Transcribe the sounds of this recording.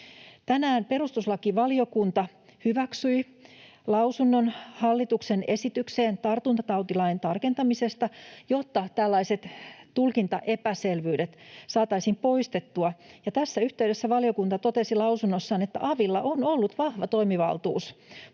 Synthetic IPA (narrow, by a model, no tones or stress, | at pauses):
t̪ænæːmpe̞ɾust̪uslɑkːiʋɑlio̞kunt̪ɑ | hyʋæksyi | lɑusunːonhɑlːit̪uksene̞sit̪ykseːnt̪ɑrt̪unt̪ɑt̪ɑuwt̪ilɑjnt̪ɑrke̞nt̪ɑmise̞st̪ɑjo̞t̪ːɑt̪ælːɑiset̪t̪ulkint̪ɑʔepæselʋyːdet̪sɑːt̪ɑisiːmpo̞ist̪et̪ːuɑjɑt̪æsːæyht̪eydesːæʋɑlio̞kunt̪ɑt̪ot̪e̞silɑwsunːosːɑːnet̪ːæ̰ʔɑʋilːɑʔono̞lːut̪ʋɑhʋɑt̪o̞imiʋɑ̰lt̪ṵːs